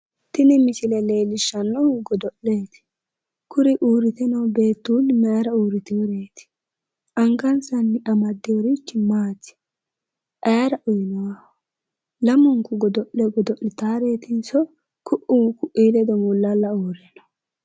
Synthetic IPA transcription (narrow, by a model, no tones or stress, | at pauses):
t̪ɪnɪmɪsɪlɛleːlɪʃːɐnːɔɡɔd̪ɔʔeːt̪ɪ̥ | kʊɾɪʔuːɾɪt̪ɛnɐwbe̞ːt̪ːuːnmɐjɾɐuːɾɪt̪ɪɔɾeːt̪ɪ̥ | ʔɐŋɡɐnsɐnːɪʔɐmɐd̪ːɪjɔɾit͡ʃːɪmaːt̪ɪ̥ | ʔɐjɾɐʔʊjɪnɐwa | lɐmʊŋkʊɡɔd̪ɔʔɛɡɔd̪ɔʔɪt̪aːɾe̞ːt̪ɪnsɔ | kʰʊʔʊːkʊʔːiːlɛd̪ɔmʊlːɐlːɐuːɾɛnɐ